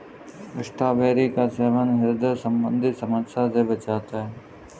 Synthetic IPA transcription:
ɪʃʈ̪ʰaːʋeːɾikasɛːʋənɦɪɾd̪əsəmbə̰̃nd̪ʱɪsɐməsaseʋɪt͡ʃaːt̪aːɦɛː

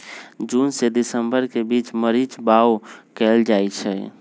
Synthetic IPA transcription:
d͡ʒunsed̪isəmbəɾkebit͡ʃməɾit͡ʃbawkɛld͡ʒajt͡ʃʰɛ

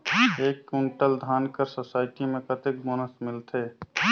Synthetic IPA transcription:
eːkːuɳʈəld̪ʱaːnkəɾsosaːɪʈimẽkət̪ɪk̚boːnəsmɪlt̪ʰeː

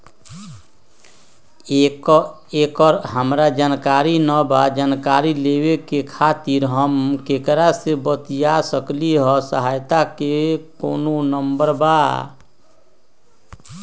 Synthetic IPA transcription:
k | eːkɔːɾɦəmɾad͡ʒaːnkaːɾinəbad͡ʒaːnkaːɾileːwekekʰaːt̪iɾɦəmkekəɾasebət̪jasəkliɦɔsəɦaːjt̪akekoːnonəmbəɾba̰

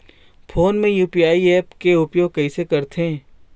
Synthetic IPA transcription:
pʰoːnmẽjuːpijaːiɛːpkeʊpjoːɡ̚kɐisekɐɾt̪ʰẽ

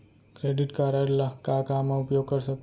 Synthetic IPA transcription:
kɾeɖiʈkaɾaɾlakakamãupjoɡ̚kəɾʃək̚

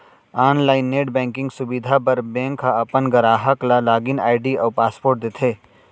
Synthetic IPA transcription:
aːnlaːɪnːeːʈbɛ̃ːŋkɪ̃ŋɡsʊbid̪ʱapɐɾbẽːŋkʰaɐpənɡɐɾaːɦəklalaːɡɪna̰ːɪɖiɔːɾpaːspoːɾʈ̚d̪et̪ʰeː

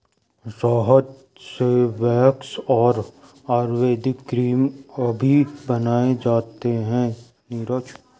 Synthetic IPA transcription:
sɔːɦət̪ | seʋɛːksɔːɾ | aːɾʋeːd̪ɪkːɡɾiːmɐbʱibɐnaːed͡ʒaːt̪eɦɛ̃ | niɾət͡ʃ

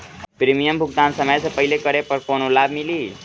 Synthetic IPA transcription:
pɾimijəmbʱuk̚t̪ansəməjsẽpəɦilekəɾepəɾkonolabʱmili

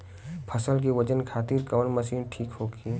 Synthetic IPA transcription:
pʰɐsəlk̬iʋɐd͡ʒənkʰaːt̪iːɾkɐʋənmɐsiːnʈʰiːkɦoːɡiː

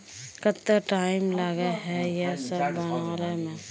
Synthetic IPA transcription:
kət̪ːeʈaːɪmlaɡeɦɛjesəbːənaːɾemẽ

